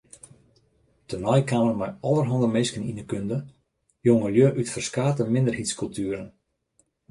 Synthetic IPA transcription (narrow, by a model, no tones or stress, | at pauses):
tənɔjkaːmərmɛjɔlˠərɦɔndəmeːskəninəkøndə | joŋəljøʔytfərskaːtəmɪndərhitskɵlˠtʰyəɾən